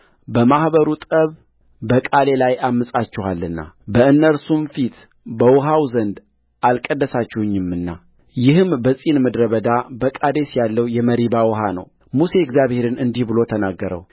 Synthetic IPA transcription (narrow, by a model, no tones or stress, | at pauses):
bəmahbəɾut̪ʼəβ | bəkʼale̞lajamːɨsʼat͡ʃːɪhalːɨnːa̰bəɨnːəɾsumfit̪ | bəwʊɦawzənd̪ | ʔalkʼəd̪ːəsat͡ʃːɪhɨɲːɪmːɨnːa | jɪhɨmbəsʼinməd̪ɾəβəd̪abəkʼad̪e̞sjalːəwjɛməɾibawɔɦanə̰w | muse̞ɛɡzjaβhe̞ɾɨnɨnd̪ihbɨlo̞t̪ʰənaɡːəɾə̰w